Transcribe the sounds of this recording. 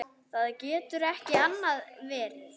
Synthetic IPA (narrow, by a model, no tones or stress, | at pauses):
θaðcɛːt̪ʏɾɛhcɪanːaðvɛːɾɪð